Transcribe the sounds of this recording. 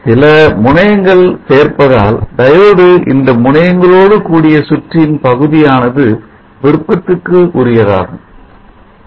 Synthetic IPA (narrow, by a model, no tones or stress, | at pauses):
sɪlɐmʊɳɐjɐŋɡɐɭseːrpɐðaːld̪ɐjɐɽɯʔɪ̰nd̪ɐmʊɳɐjɐŋɡɐɭoːɽɯkuːɽɪjɐsʊʈrɪnpɐɣɯðɪjaːnɐðɯ | ʋɪɽɯkːɐt̪ːɯkːɯʔʊɾɪjɐða̰ːɣɯm